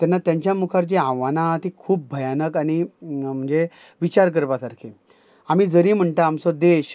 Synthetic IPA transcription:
t̪janːat̪jãɲt͡ɕjamukʰaɾt͡ɕeãʋanat̪ikʰuːp̚bʱəjanəkañim̤əɳd͡ze | ʋit͡ɕaɾk̬əɾʋasaɾkʰi | am̤iːd͡zəɾiːm̤əɳʈ̪aːmsɔd̪eɕ

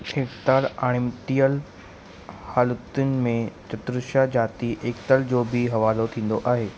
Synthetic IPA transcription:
ɪkt̪əlaːɽ̃ɪ̃mʈ̪ijəl | haːlət̪ʊnɪ̆mẽt͡ɕɐt̪ɾəʃad͡ʑaːt̪iʔeːk̚t̪əld͡ʑoːbɪɦɐʋaːlot̪ʰĩːn̆d̪oʔaːɦeː

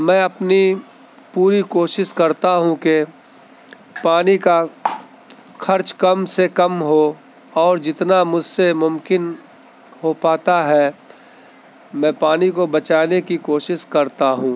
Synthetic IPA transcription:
mɛ̃ːɐpni | puːɾikoːʃɪʃkɐɾt̪aɦũke | paːnika | xʰɐɾt͡ʃkɐmsekɐmɦo | ɔːɾd͡ʒɪt̪namʊd͡ʒʱsemʊmkɪn | ɦopaːt̪aɦɛ | mɛ̃ːpaːnikobɐt͡ʃaːnekikoːʃɪʃkɐɾt̪aɦũː

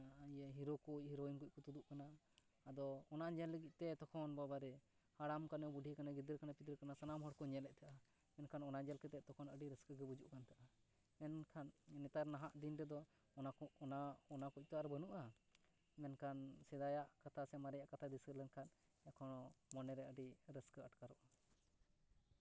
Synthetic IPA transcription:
əɦiɾokuc̚hiɾoinkuc̚kɔt̪ud̪uʔkanaː | d̪ɔːnaʔɲɛlːəɡic̪̚t̪ɛt̪ɔkʰɔnbabaɾɛ | haɽamkanɛbuɖʱikanaɡid̪əɾkanapid̪əɾkanasanamɦɔɽkɔɲɛlɛʔ̚t̪ʰaʔa | mɛnkʰanɔnad͡ʒɛlkɛt̪ɛʔt̪ɔkʰɔnəɖiɾəskəɡɛbud͡ʒuʔkant̪aʔa | mɛnkʰanːɛt̪aɾnaɦaʔd̪inɾɛd̪ɔ | ɔaɔnakuc̚t̪ɔaɾɛbənuʔa | mɛnkansɛd̪ajaʔkat̪ʰasɛmaɾɛjaʔkat̪ʰad̪isəɾlɛnkʰan | jakʰɔnɔmɔnɛɾɛəɖiɾəskəəʈkaɾɔʔa

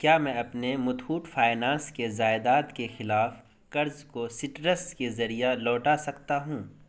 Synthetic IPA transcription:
kjaːmɛ̃ːɐpnemʊt̪huːʈfʰaːɪnãːskezaːɪd̪aːt̪kexɪlaːf | kɐɾzkosɪʈɾəskezɐɾijalɔːʈasɐkt̪aɦũː

